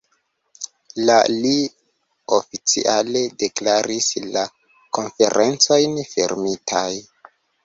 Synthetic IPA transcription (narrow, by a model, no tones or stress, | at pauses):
lali | ofit͡sḭʔale̞de̞klaɾʔisla | ko̞nfe̞ɾʔent͡so̞jnfḛɾmitʰaj